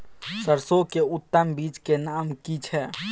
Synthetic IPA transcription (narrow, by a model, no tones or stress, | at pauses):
səɾsokeʊt̪ːəmbiːt͡ʃkenaːmkit͡ʃʰɛ